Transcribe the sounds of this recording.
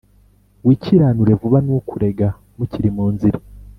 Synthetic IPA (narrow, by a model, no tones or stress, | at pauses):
wiːciɾaːnuɾe̞vuβanukuɾe̞ɡa | muciɾimuːnziɾe